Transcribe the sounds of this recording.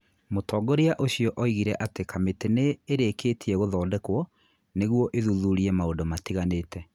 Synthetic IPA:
motɔːɡɔɾiaʔoɕiɔʔɔiɣiɾɛʔatekʰameteneːɾeketʰiɛɣoðɔːdɛkwɔ | neɣwɔʔeðuðuɾiɛmaondomatiɣaneːtʰɛ

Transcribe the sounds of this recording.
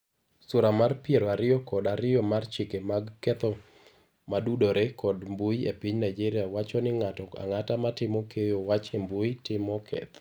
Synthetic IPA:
sʊɾamarpjeɾɔaɾɪjɔkɔdaɾɪjɔmart͡ʃɪkemaɡkɛt̪ɔ | madudoɾekɔdmbuiepiɲnajd͡ʒiɾɪjawat͡ʃɔnɪŋatɔka̰ŋatamatɪmɔkʰejowat͡ʃembuitɪmɔkʰɛ̰t̪

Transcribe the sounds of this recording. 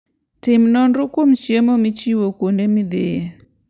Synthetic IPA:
tɪmnɔnɾukomt͡ʃjemomit͡ʃiwokondemɪd̪ɪe

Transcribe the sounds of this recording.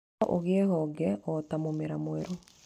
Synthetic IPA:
ʔoɣeeɣɔɡɛɔt̪amomeɾamweɾo

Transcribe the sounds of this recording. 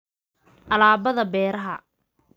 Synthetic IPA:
ʔɐlaːbɐðɐbɛːɾɐɦɐ

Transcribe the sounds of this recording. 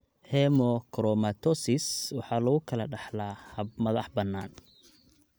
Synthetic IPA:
hɛmɔkʰɾɔmat̪ʰɔsɪswɑħɑːlɐɣʊkʰɐlɐɖɑħlaːhɐbmɐðɑħbɐnːaːn

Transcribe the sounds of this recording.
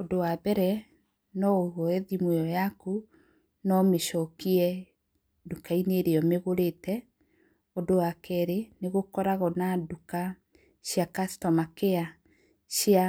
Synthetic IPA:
odowabɛɾɛ | nɔowɔɛðimwɛɔjaku | nɔmeʃɔkiɛ | dukaineɾeɔmeɣoɾetɛ | odowakɛɾeneɣokɔɾaɣɔnaduka | ɕjakastɔmakea | ɕia

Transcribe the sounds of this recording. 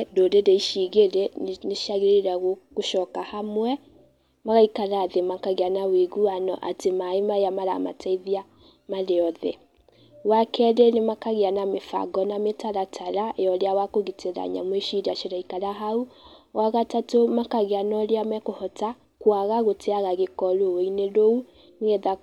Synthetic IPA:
dodedeiʃiɣeɾɛneʃaɣeɾeɾaɣokoʃɔkahamwɛ | maɣaikaɾaːðemakaɣeanaweɣuanɔ̰ʔa̰temaemaejamaɾa̰ma̰tʰaiðia | maɾeɔðɛ̰ | wakɛɾenemakaɣeanamefa̰ɡɔnametaɾatʰaɾajɔɾeawakoɣiteɾa̰ɲa̰mweʃiɾaʃeɾaikalaɦauwaɣatatomakaɣeanɔɾeamɛkohɔta | kwaɣaɣotʰeaɣaɣekɔɾoweineɾou | neɣɛða

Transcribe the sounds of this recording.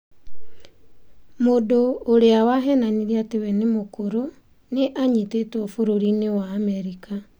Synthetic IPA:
modoːɾeawaɦɛnaniɾeatewɛnemokoɾo | neʔaɲitetɔfoɾoɾinewaːmɛɾika

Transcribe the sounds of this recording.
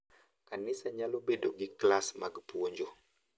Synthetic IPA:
kanisaɲalobedoɡiklasmaɡpuoɲd͡ʒo

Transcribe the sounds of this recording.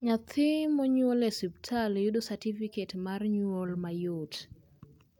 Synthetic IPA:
ɲat̪ʰɪmɔɲwolɛsiptʰaljudosatifiketmarɲuolmajot

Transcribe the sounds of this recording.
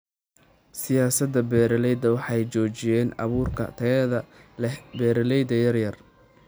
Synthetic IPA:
sɪjaːsɐd̪ɐbɛːɾɐlɛjd̪ɐwɑħɑjt͡ʃɔːt͡ʃɪjɛːnɑ̰βuːrkʰɐ̰t̪ʰɐɛðɐɛbɛːɾɐlɛjd̪ɐjɐrjɐr

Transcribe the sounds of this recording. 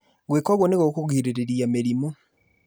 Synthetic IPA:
ɡwekwaɣoneɣokuɣiːɾiɾeɾiameɾimo

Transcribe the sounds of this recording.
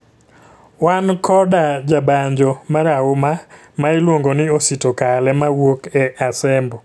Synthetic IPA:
wankʰɔdad͡ʒabaɲd͡ʒɔmaɾaʊma | maɪlwoŋɡonɪositokalɛmawokɛʔasɛmbɔ

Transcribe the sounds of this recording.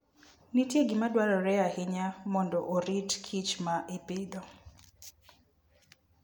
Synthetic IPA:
nitjeɡɪmadwaɾɔɾɛahɪɲamɔndɔʔoɾitkʰit͡ʃmaʔipɪd̪ɔ

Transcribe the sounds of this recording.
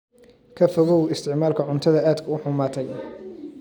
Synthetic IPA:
kʰɐfʊðuːlɪst̪ʰɪʕmaːlkʰɐʕʊnt̪ʰɐðɐʔaːd̪kʰɐʊħʊmaːt̪ʰɛj

